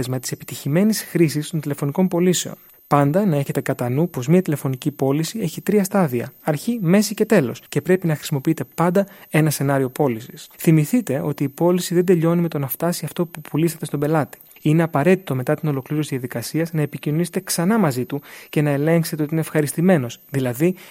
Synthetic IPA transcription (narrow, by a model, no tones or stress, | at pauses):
ezmɐt̪i̥se̞pi̥t̪içime̞nisxɾisist̪o̞nt̪ile̞fo̞niko̞mpo̞lise̞o̞̰n | pɐnd̪ɐnɐe̞çe̞t̪e̞kɐt̪ɐnupo̞zmiɐt̪ile̞fo̞nicipo̞lisie̞çit̪ɾiɐst̪ɐðiɐ̰ɐɾçime̞sice̞t̪e̞lo̞sce̞pɾe̞pinɐxɾi̥simo̞piit̪e̞pɐnd̪ɐe̞nɐse̞nɐɾio̞po̞lisi̥sθimiθit̪e̞o̞t̪iːpo̞lisiðed̪e̞ʎo̞nime̞t̪o̞nɐft̪ɐsiɐft̪o̞pupʰulisɐt̪est̪o̞be̞lɐt̪i̥ | ine̞ɐpɐɾe̞t̪i̥t̪o̞me̞t̪ɐt̪ino̞lo̞kliɾosizððɐðikɐsiɐznɐe̞picinoniset̪e̞ksɐnɐmɐzit̪uce̞nɐe̞le̞ŋkset̪eot̪ineefxɐɾist̪ime̞no̞sðilɐði